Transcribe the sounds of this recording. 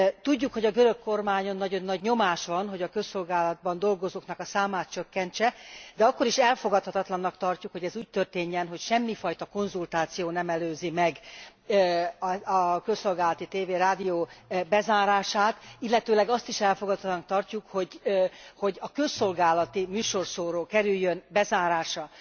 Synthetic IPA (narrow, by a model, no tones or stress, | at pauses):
t̪uɟːukho̞ɟɒɡøɾø̞kːo̞rmaːɲo̞nːɒɟo̞nːɒɟɲo̞maːʃʋɒnɦo̞ɟɒkø̞sːo̞lɡaːlɒd̪̚bɒnd̪o̞lɡo̞zoːknɒkɒsaːmaːt̪̚t͡ʃøkːɛnt͡ʃɛd̪ɛɒkːo̞ɾiʃɛlfo̞ɡɒt̪hɒt̪ɒt̪lɒnːɒkt̪ɒrcukho̞ɟɛzuːc̚t̪ørt̪eːɲːɛnɦocʃɛmːifɒjt̪ɒko̞nzult̪aːt̪sijoːnɛmɛløːzimɛɡ | ɒɒkø̞sːo̞lɡaːlɒt̪it̪eːveːɾaːd̪ijoːbɛzaːɾaːʃaːt̪ilːɛt̪øːlɛɡɒst̪iʃɛlfo̞ɡɒt̪ʰhɒt̪nːk̚t̪ɒrcukho̞ɟho̞ɟɒkø̞sːo̞lɡaːlɒt̪imyːʃo̞rsoːɾoːkɛɾyjːønbɛzaːɾaːʃɒ